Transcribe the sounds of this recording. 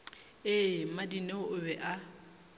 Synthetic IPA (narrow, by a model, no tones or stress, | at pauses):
ɪmadineʔʊbɛʔa